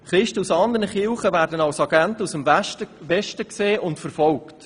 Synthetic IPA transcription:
χɾɪʃtəusɑnd̪əɾnəχɪlχəvæːɾdənɑwsɑɡæntusəmʋɛʃtəkseːʔʊntfəɾfɔlkt

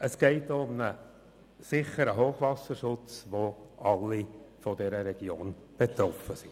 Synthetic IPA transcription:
əsɡ̥ɛɪt̪oʊmnə | sɪχəɾəɦoːχʋɑsəɾʃʊt͡sʋoɑlːifɔdɛɾəɾɛɡ̥joːn | b̥et̪ɾɔfəsi

